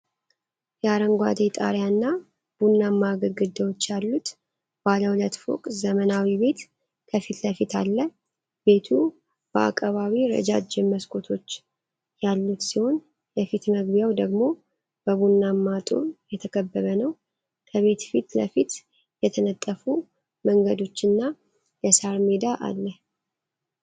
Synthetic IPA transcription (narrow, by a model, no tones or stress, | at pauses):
jɛaɾəŋɡʷa̰d̪et̪ʼa̰ɾjanːa | b̥unːamːaɡəɡɨd̪ːəwot͡ʃːjalːut̪ | b̥aləwlət̪fo̰kʼzəmənawibe̞t̪ | kʰəfit̪ləfit̪ʰalːə | be̞t̪ʰu | b̥əa̰kʼːəβaβiɾə̰d͡ʒad͡ʒɪmːəskʰʼo̞t̪ʰo̞t͡ʃː | jalːut̪siho̞n | jɛfit̪məɡbijawd̪əɡmo̞ | b̥əβunːamːat̪ʼṵɾjɛt̪ʰəkʰəbːəβənəw | kʰəβe̞t̪fit̪ləfit̪ | jɛt̪ʰənət̪ʼːəfu | məŋɡəd̪o̞t͡ʃːɨnːa | jɛsaɾmed̪aʔa̰lːəh